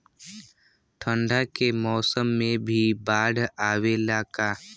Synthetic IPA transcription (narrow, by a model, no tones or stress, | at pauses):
ʈʰə̃ɳɖʱakemɔːsəmːẽbʱibaːɖʱaːwelaːka